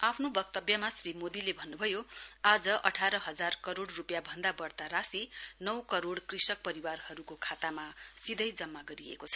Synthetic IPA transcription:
apʰnobʌk̚t̪ʌbjʌmasrimod̪ilebʱʌnːubʱʌjoad͡zʌʔʌ̰ʈʰaɾʌɦʌd͡zarkʌɾoɽrupjabʱʌnd̪abʌrt̪aɾasinʌwkʌɾoɽkrisʌk̚pʌɾiwarhʌɾukokʰat̪amasid̪ʱʌjd͡zʌmːaɡʌɾiḛkot͡sʰʌ̥

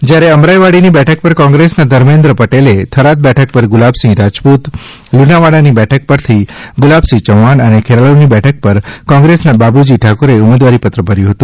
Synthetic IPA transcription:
d͡ʒjaɾeəmɾajʋaɽinibɛʈʰək̚pəɾkɔ̃ŋɡɾesnad̪ʱəɾmẽnd̪ɾəpəʈelet̪ʰəɾat̪̚bɛʈʰək̚pəɾɡʊlabsĩɾad͡ʒput̪ | lunaʋaɽanibɛʈʰək̚pəɾt̪ʰiɡʊlabsĩt͡ʃəʋanənekʰeɾalonibɛʈʰək̚pəɾkɔ̃ŋɡɾesnababud͡ʒiʈʰakoɾeʊmed̪ʋaɾipət̪ɾəbəɾjũɦət̪ũ

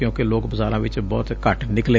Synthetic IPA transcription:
jõːkeloːkbəzaːɾãːʋɪt͡ʃbɔːt̪kəʈnɪkleː

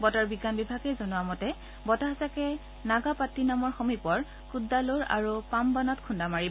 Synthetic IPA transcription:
bɔtɔɹbiɡanbibʱaɡɛjzɔnʊwamɔtɛ | bɔtaɦasakɛ | naɡapatːinamɔɹxɔmipɔɹ | kudːaloɹa̰ɹupambanɔtkʰundamaɹib

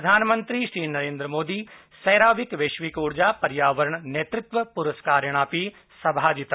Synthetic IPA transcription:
ɐd̪ʱaːnmɐ̃nt̪ɾiʃɾiːnɐɾẽːnd̪ɾəmoːd̪iː | sɐːɾaːʋɪkʋeːʃʋikuːɽd͡ʑaːpɐɾjaːʋəɾəɳ̃njet̪ɾɪt̪ʋəpʊɾəskaːɾjəɽ̃aːpi | sɐbʱaːd͡ʑit̪

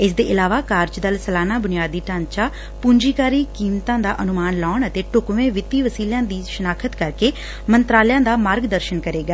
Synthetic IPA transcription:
ɪsd̪eːʔɪlaːʋaːkaːɾt͡ʃd̪əlsəlaːnaːbʊnɪjaːd̪iːʈãːnt͡ʃaː | puːɲd͡ʒiːkaːɾiːkiːmt̪ãːd̪aːʔənʊmaːnlaːɳət̪eːʈʊkʋẽːʋɪt̪ːiːʋəsiːljãːd̪iːʃənaːkʰət̪kəɾkeː | mənt̪ɾaːljãːd̪aːmaːɾɡd̪əɾʃənkəɾeːɡaː

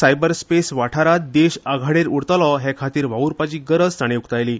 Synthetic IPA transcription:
sajbəɾspesʋaʈʰaɾat̪̚d̪eɕaɡʱaɽeɾuɽt̪alɔɦɛkʰat̪iːɾʋauɾpat͡ɕiːɡəɾəd͡zt̪aɽ̃eukt̪ajliː

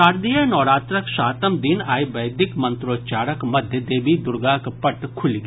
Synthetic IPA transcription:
aːɾd̪ijənɔːɾaːt̪ɾəkʃaːt̪əmd̪ɪnaːibɐjd̪ɪkmɐ̃nt̪ɾoːt͡ʃaːɾəkmɐd̪ʱjəd̪eːbʱid̪ʊɾɡaːkpɐʈkʰʊlɡ

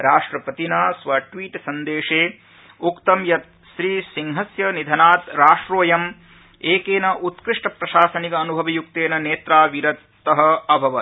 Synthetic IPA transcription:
ɾaːʂʈɾɐpɐt̪inaːsʋɐʈʋiːʈsɐnd̪eːʂeː | ukt̪ɐmjɐt̪̚ | ʃɾiːsiŋɦɐsjɐnid̪ʱɐnaːt̪ɾaːʂʈɾoːjɐm | eːkeːnɐʔut̪kɾɪʂʈɐpɾɐʃaːsɐnikɐːnubʱɐʋɐjuk̚t̪eːnɐneːt̪ɾaːʋiɾɐt̪ːɐɦɐ̆ɐbʱɐʋɐ

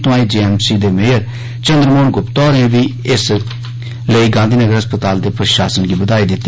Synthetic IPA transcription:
t̪õãːiːd͡ʒiːɛːmsiːd̪eːmeːəɾ | t͡ʃə̃nd̪ɾəmoːɳɡʊpt̪ɔːɾẽʋiː | ɪs | ləiːɡãːnd̪ʱiːnəɡəɾəspət̪aːld̪eːpɾəʃaːsənɡiːbəd̪aːiːd̪ɪt̪ː

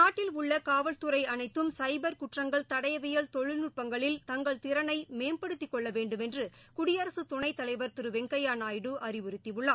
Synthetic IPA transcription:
naːʈːɪlʊɭːɐkaːʋɐɭt̪ɯɾɐɪɐnɐɪt̪ːɯmsɐɪbɐɾkʊʈrɐŋɡɐɭt̪ɐɽɐjɐʋɪjɐɭt̪ɔɻɪlnʊʈ̚pɐŋɡɐɭɪlt̪ɐŋɡɐɭt̪ɪɾɐnɐɪmeːmpɐɽɯt̪ːɪkːɔɭːɐʋeːɳɖɯmɛndrɯkʊɽɪjɐɾɐsɯt̪ɔɳɐɪt̪ːɐlɐɪʋɐɾt̪ɪɾɯʋɛŋɡɐjaːnaːjɪɽɯʔɐrɪʋɯɾɯt̪ːiʋɯɭːaː

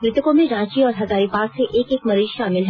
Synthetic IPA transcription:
mɾɪt̪əkõmẽɾãːt͡ʃiɔːɾɦɐzaːɾipaːɾseʔeːkeːkmɐɾiːʃʃaːmɪlɦɛ

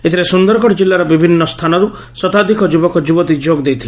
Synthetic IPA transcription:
et̪ʰibesund̪ɔɾɔkɔɽd͡ʒilːaɾɔbibʱinːɔst̪ʰanɔɾu | sɔt̪ad̪ʱikɔd͡ʒubɔkɔd͡ʒubɔt̪id͡ʒoɡd̪ejt̪ʰile

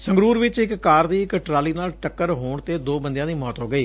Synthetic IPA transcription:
səŋɡɾuːɾʋɪt͡ʃɪkːaːɾd̪iːɪkʈɾaːliːnaːlʈəkːəɾɦoːɳt̪eːd̪oːbənd̪jãːd̪iːmɔːt̪ɦoːɡəiː

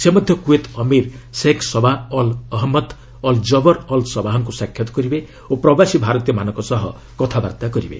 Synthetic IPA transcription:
semɔd̪ʱjɔkuet̪ɔmiɾseksɔbaɔlɔɦmɔd̪ | ɔld͡ʒɔbɔɾɔlsɔbaɦɔŋkusakʰːjɔt̪ɔ̥kɔɾibe | opɾɔbasibʱaɾɔt̪ijɔmanɔŋkɔsɔɦɔ | kɔt̪ʰaba̰ɾt̪akɔɾibḛ

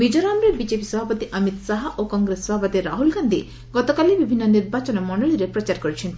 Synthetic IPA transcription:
mid͡ʒɔɾamɾebid͡ʒepisɔbʱapɔt̪iʔɐmit̪saɦaʔokɔŋɡɾesːɔbʱapɔt̪iɾaɦulɡand̪i | ɡɔt̪ɔkalibibʱinːɔniɾbat͡ʃɔnɔmɔɳɖɔɭiɾepɾɔt͡ʃaɾkɔɾit͡ʃʰint̪ʰi

